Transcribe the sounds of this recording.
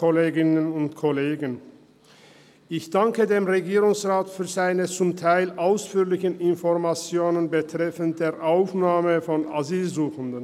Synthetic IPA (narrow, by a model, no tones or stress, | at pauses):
ɔleːɡɪnənʊntkʰɔleːɡən | ʔɪçd̥aŋkədeːmʁeɡiːʁʊŋsʁaːtfyːɐzaɪnət͡sʊmtʰaɪlʔaʊsfyːɐlɪçənɪnfɔɐmat͡sjoːnənbətʁ̥ɛfəntd̥eːɐʔaʊfnaːməfɔnaziːlzuːxəndən